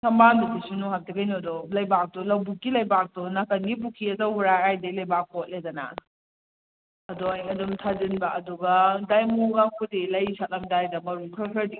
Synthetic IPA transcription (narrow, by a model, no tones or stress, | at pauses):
sɐmbanbidisunɔhatɐkʰajnɔdɔlɐjbak̚dɔlɐwbuk̚ːilɐjbak̚dɔnɐkɐnɡip̬ukʰiɐdɔwhuɾajajdɐlɐjbak̚pɔt̚ledɐnɐ̰ | ɐdɔajŋɐdumtʰadɯnbɐʔːduɡɐdajmuɡakʰudilɐjsat̚lɐmdajdɐmɐɾukʰɾɾkʰɾɐdi